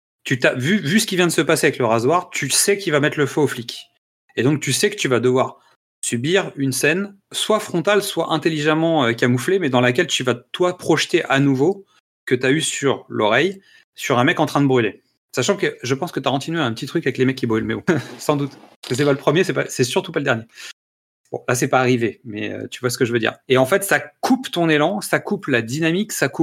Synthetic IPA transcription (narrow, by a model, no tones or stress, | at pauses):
t̪yt̪avyvysə̥kʲivjɛ̃d̪əsəpaseavɛkləʁazwaʁt̪ʰysɛkʲivamɛt̪ləføːflikʲ | ed̪ɔ̃k̚t̪ysɛkə̥t̪yvad̪əvwaʁ | sybiʁynsɛn | swafχɔ̃t̪alswaʔɛ̃t̪eliʒamɑ̃økamuflemɛd̪ɑ̃lak̬ʲɛlt̪yvat̪wapχɔʃt̪eʔanuvo | kət̪yaysyʁlʔɔʁɛj | syʁɛ̃mɛkɑ̃t̪χɛ̃d̪əbʁyle | saʃɑ̃kəʒəpɑ̃skət̪yakɔ̃t̪inɥeɛ̃pət̪it̪χykavɛklemɛkʲːibʁylmeo̰sɑ̃d̪ut̪kəs̬ɛpaləpχəmjesɛpasɛsyʁt̪upaləd̪ɛʁnje | bɔ̰̃las̬ɛpaːʁivemɛ̰ø̰t̪yvwasə̥kəʒəvød̪ḭʁeɑ̃fɛt̪sakʰupt̪ɔ̃nelɑ̃sakuplad̪inamiksakup